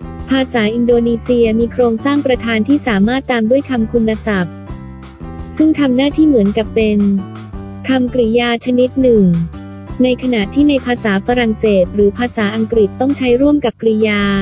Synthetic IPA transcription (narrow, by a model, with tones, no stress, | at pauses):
pʰaː˧saː˩˦ʔi˧ndoː˧niː˧si˧ɐmiː˧kʰɾoː˧ŋsaː˥˩ŋpɾa˧t̪ʰaː˧nt̪ʰiː˥˩saː˩˦maː˥˩t̪ːaː˧mdu˥˩əjkʰa˧mkʰu˧nːa˧sa˨˩p̚ | sɯ˥˩ŋt̪ʰa˧mnaː˥˩t̪ʰiː˥˩mɯ˩˦ənka˨˩pːe˧n | kʰa˧mkɾi˧˩jaː˧t͡ɕʰa˧ni˦˥t̪̚nɯ˨˩ŋ | na˧jkʰa˧na˨˩ʔt̪ʰiː˥˩na˧jpʰaː˧saː˩˦fa˧ɾa˨˩ŋseː˨˩t̪̚ɾɯː˩˦pʰaː˧saː˩˦ʔa˧ŋkɾi˨˩t̪ːɔ˥˩ŋt͡ɕʰa˦˥jɾu˥˩əmka˨˩p̚kɾi˧˩jaː˧